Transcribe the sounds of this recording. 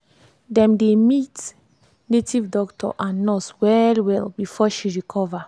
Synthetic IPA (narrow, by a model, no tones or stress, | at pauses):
dɛ̃mdemit | netivdɔktʰɔ̰ʔãnːɔswɛlwɛlbifɔʃiɹikʰɔva